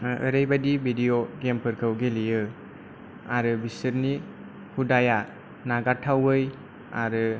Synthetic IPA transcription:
ə̰ɾajbadibʱidijodempʰɯɾkʰɯwɡelijɯ | aɾɯbisɯɾni | hudaja | naɡatʰawɯj | a̰ɾɯ

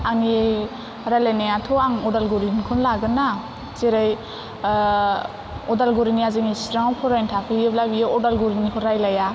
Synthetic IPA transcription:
ani | ɾalenejatʰɔaŋɔdalɡuɾinkʰɯnlaɡɯna | zeɾaj | ɔdalɡuɾiniaziŋisɾaŋapʰɔɾajntʰakʰɯjɯblabijɯɔdalɡuɾinikʰɔɾajlaja

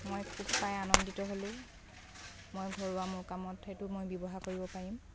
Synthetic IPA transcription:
mojkʰubpajanɔnditɔɦolʊ | mojɡʱoɹuwamʊɹkamɔthetʊmojbɔbɔɦakoɹibɔpaɹim

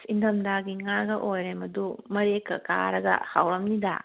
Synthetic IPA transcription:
sind̪ɐmd̪aɡiŋaɡɐʔojɾemɐd̪umɐɾekːɐ̰ka̰ɾɐɡɐ̰hawɾɐmnid̪a̰

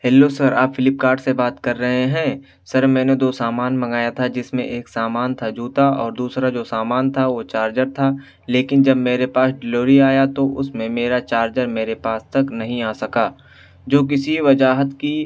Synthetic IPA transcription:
ɦɛːlːosɐɾaːpfɪlɪp̚kaːɾɖsebaːt̪kɐɾːɐɦeɦɛ̃ | sɐɾmɛ̃ːned̪oːsaːmaːnmɐ̃ŋɡaːjat̪ʰad͡ʒɪsmḛ̃ʔeːksaːmaːnt̪ʰad͡ʒuːt̪aʔɔːɾd̪uːsɾad͡ʒoːsaːmaːnt̪ʰaʋot͡ʃaːɾd͡ʒəɾt̪ʰa | leːkɪnd͡ʒɐbmeːɾepaːsɖɪloːɾiaːjat̪oʔʊsmẽmeːɾat͡ʃaːɾd͡ʒəɾmeːɾepaːst̪ɐknɐɦĩaːsɐkaː | d͡ʒoːk̬ɪsiʋɐd͡ʒaːɦət̪ki

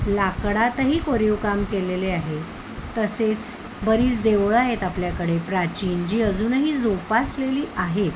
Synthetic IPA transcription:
lakɽat̪ɦiːkoɾiʋkamkeleleaɦe | t̪əset͡s | bəɾiːt͡sd̪eʋɭaɦet̪apljakəɽepɾat͡ɕiːnd͡ʑiːəd͡zuːnɦiːd͡zopasleliːʔaɦe

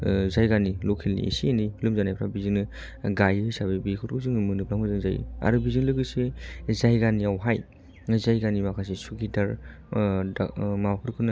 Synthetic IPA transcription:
zajɡanilokʰilnḭḭsinilumzanajpʰɾabizɯnɯ | ɡajɯjsaβebikʰuɾkʰɯzɯŋmɯnɯplaŋɡɯzɯŋzaj̰a̰ɾubizɯŋlɯɡɯsezajɡaniawɦaj | zajɡanimakʰas̬isukʰidaɾ | a̰mapʰɯɾkʰɯna

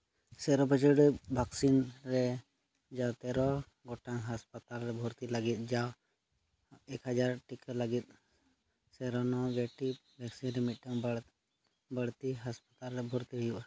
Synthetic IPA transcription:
sɛɾɔbʱəd͡ʒəɽɛbʱaksinɾɛ | d͡ʒawt̪ɛɾɔ | ɡɔʈaŋɦaspət̪alɾɛbʱɔɾt̪iləɡit̪̚d͡ʒaw | ekɦad͡ʒaɾʈikələɡit̪̚ˀ | sɛɾɔnɔbeʈibʱaksinɾɛmit̪̚ˀʈaŋ | bəɽt̪iɦaspət̪alɾɛbʱɔɾt̪iɦujuʔa

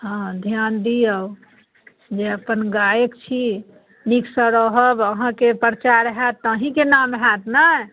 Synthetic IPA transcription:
ɦãd̪ʱjand̪ijəw | d͡ʒeəpənɡajekt͡ʃʰi | niksəɾəɦəbəɦãkepɾɾət͡ʃaɾɦɛt̪ːəɦĩkenamɦɛt̪na

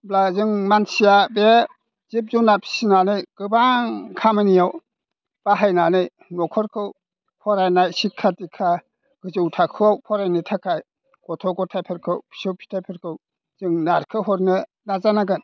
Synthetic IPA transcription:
blazɯŋmansijabe | z̥ip̚zunapʰi̥sinanɯjɡ̥ɯbaŋkʰamɯnijaw | b̥aɦajnanɯj | nɔkʰɔɾkʰɯw | pʰɔɾajnajsikʰːatikʰa | ɡ̥ɯzɯwtʰakʰɯawpʰɔɾajnɯtʰakʰaj | ɡ̥ɔtʰɔɡɔtʰajpʰeɾkʰɯwpʰi̥sɯwpʰi̥tʰajpʰeɾkʰɯw | z̥ɯŋnaɾkʰɯɦɔɾnɯ | nazanaɡɯn

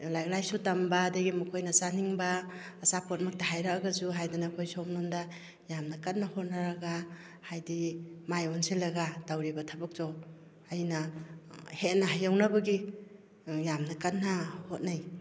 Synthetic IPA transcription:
lajɡlajsutambaːdaɡimukʰojnasaniŋbaː | sapʰɔt̚mak̚taɦajɾak̚aɡazuɦajdanakʰojsɔmnɔnda | jamnakat̚nːahɔt̚naɾaɡa | hajdimajɔnsilaɡadawɾibatʰabɯk̚zɔw | ajna | het̚naɦajawnabaɡi | jamnakanːahot̚naj

